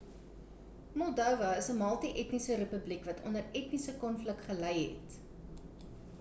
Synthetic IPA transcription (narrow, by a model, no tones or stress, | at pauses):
mɔlˠdœwvɐəsəmɐlˠtiʔɛtnisəɾəpəblikvɐtʰɔ̰ndəɾɛtnisəkɔnflək̚tχəlɛjɦɛ̰t